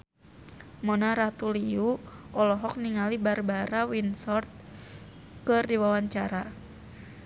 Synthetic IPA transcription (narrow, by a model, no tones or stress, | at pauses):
mɔnaɾat̪uliuʔɔlɔɦɔk̚niŋalibarbaɾawinsɔrt̪̚ | kɨrdiwawaɲt͡ʃaɾa